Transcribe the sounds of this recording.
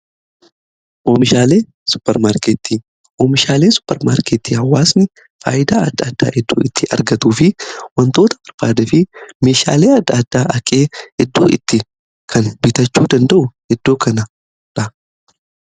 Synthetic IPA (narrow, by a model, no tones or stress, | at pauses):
ʔoːmɪʃaːleː | sʊ̥pːɛɾmaːɾkeːt̪ːiː | ʔoːmɪʃaːleːsʊ̥pːɛɾmaːɾkeːt̪ːiːhɐwːaːsnɪ | fa̰ːjɪd̪a̰ːɐd̪ːɐɐd̪ːa̰ːʔɪd̪ːo̰ːɪt̪ʰːɪʔɐ̰ɾɡɐt̪uːfɪwɐnt̪o̞ːt̪ɐ̥pɐɾfaːd̪ɛfɪme̞ːʃa̰ːle̞ːɐd̪ːɐɐd̪ːaːʔɐkʼe̞ːɪd̪ːo̰ːʔɪt̪ːɪ | kʰɐnbɪt̪ɐt͡ʃːuːd̪ɐnd̪ɐʔʊhɛd̪ːo̞ːkɐnɐ | ɾɐ